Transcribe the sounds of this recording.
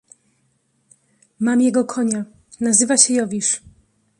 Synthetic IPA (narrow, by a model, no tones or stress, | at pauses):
mamjɛɡɔkʰɔɲa | nazɘvaɕɛjɔvʲiʂ